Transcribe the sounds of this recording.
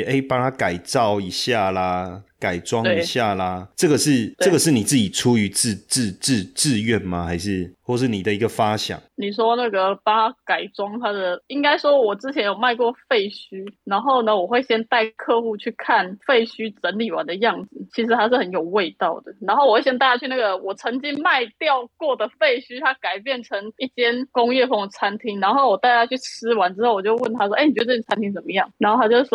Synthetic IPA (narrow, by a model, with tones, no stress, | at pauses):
e˥˩ɪpa˥˦ŋt̪ʰa˦˥ka˨˩ɪt͡sɑ˥˨ʊi˨˥ɕja˥˩lə˩ka˨˩ɪʈ͡ʂwɑ˦ŋe˥i˩˦ɕja˥˩lə˩ʈ͡ʂɤ˥˩ɡə˩ʂɻ̩˥˧eɤ˥˩ɡə˩ʂɻ̩˥˩ni˨˩t͡s̩˥˩t͡ɕi˨˩ʈ͡ʂʰu˦y˧˥t͡s̩˥˧t͡s̩˥˧t͡s̩˥˧t͡sɻ̩˥˧ɥɛ˥˨nma˨xa˧˥ɪʂɻ̩˥˧xwɔ˥˧ʂɻ̩˥˩ni˨˩d̪ə˦i˧˥ɡə˧fa˦ɕjɑ̰˨˩˦ŋni˨˩ʂ̬wɔ˦˥na˥˩ɡə˩pa˥ŋt̪ʰa˦˥ka˨˩ɪʈ͡ʂwɑ˥ŋt̪ʰa˦˥d̪ə˨i˥ŋka˥ɪʂwɔ˥wɔ˨˩t͡sɹ̩ɻ̩˥t͡ɕʰjɛ˧˥njo˨˩ma˥˧ɪkwɔ˥˧fe˥˩ɪɕy˥na˧˥nxo˥˩ʊnə˩wɔ˨˩xwe˥˩ɪɕjɛ˥nt̪a˥˧ɪkʰɤ˥˧xu˥˧t͡ɕʰy˥˧kʰa˥˩nfe˥˩ɪɕy˥t͡sə˧˥nli˨˩wa̰˧˦nd̪ə˧jɑ˥˩ŋd͡zɹ̩˨˩t͡ɕʰi˧˥ʂɻ̩˧˥t̪ʰa˥ʂɻ̩˥˩hə˧˦njo˨˩ʊwe˥˧ɪt̪ɑ˥˩ʊd̪ə˩na˧˥nxo˥˩ʊwɔ˨˩we˥˩ɕjɛ˥nt̪a˥˩t͡ɕja˥t͡ɕʰy˥˧na˥˩ɡə˩wɔ˨˩t͡sʰə˧˥ŋt͡ɕi˦˥ŋma˥˧ɪt̪jɑ˥˧ʊkwɔ˥˩d̪ə˩fe˥˩ɪɕy˥t̪ʰa˥ka˨˩ɪpjɛ˥˩nʈ͡ʂʰə˧˦˥ŋi˥˩t͡ɕjɛ˦˥nkʊ˥ŋjɛ˥˩fo˥˩t͡sʰa˦˥nt̪ʰi˥ŋna˧˦nxo˥˩ʊwɔ˨˩t̪a˥˩t͡ɕja˥t͡ɕʰy˥˩t͡s̩ʰ˥wa˧˦nʈ͡ʂɻ̩˥xo˥˩ʊwɔ˨˩t͡ɕjo˥˧ʊwə˥˩nt̪ʰa˥ʂ̬wɔ˥ʔe˥˩ni˨t͡ɕ̪ə˧ʈ͡ʂʰt͡sʰa˥nt̪i˥ŋt͡sə˨˩mə˦jɑ˥˩ŋna˧˥nxo˥˩t̪ʰa˥t͡ɕjo˥ʊ˥˩